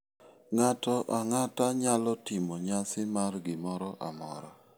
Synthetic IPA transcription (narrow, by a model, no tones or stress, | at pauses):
ŋatɔʔaŋataɲalɔtɪmɔɲasɪmarɡɪmɔɾɔʔa̰mɔ̰ɾɔ